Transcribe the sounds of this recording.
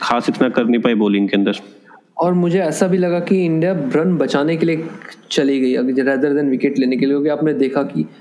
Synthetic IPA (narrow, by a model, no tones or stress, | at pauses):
xʰaːsɪt̪ʰnɐkɐɾnipaːiboːlɪ̃ŋkeɐ̃nd̪əɾ | ɔːɾmʊd͡ʒʱeɛːsabʱilɐɡakiɪ̃ɳɖijabɾɐ̃nbɐt͡ʃaːnekeliet͡ʃɐliɡɐiɐɾɛːd̪əɾd̪ɛnʋɪkeʈleːnekelieõːkiaːpned̪eːkʰaki